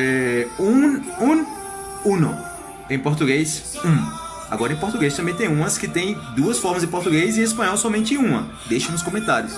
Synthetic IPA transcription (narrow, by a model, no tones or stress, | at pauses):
ɛũũ | ũnɐ̰̃ | ẽj̃poɾt̪uɡejs | ũ | a̰ɡɔɾɐẽpoɾt̪uɡejs̬t̪ɐ̃mbẽj̃t̪ẽj̃ũmɐskɪt̪ẽj̃d̪uɐsfɔɾmɐzɪ̃poɾt̪uɡejzɪespɐ̃ɲ̃ɔwsɔmẽnt͡ʃɪ̃ũmɐ | d̪ejʃɐ̃ũʊs̬kõmẽnt̪aɾjʊs